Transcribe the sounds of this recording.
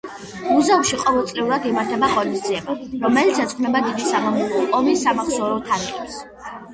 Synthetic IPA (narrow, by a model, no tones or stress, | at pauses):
muzauʃiqʼɔvɛlˠsʼlɛuɾad̪imaɾt̪ʰɛbaχʼɔnisd̪ziɛbaɾɔmɛlit̪sɛt̪sʰχʰnɛbad̪id̪isamɔmɔlˠɔɔmisamaχsɔɾɔt̪ʰaɾiχʼɛps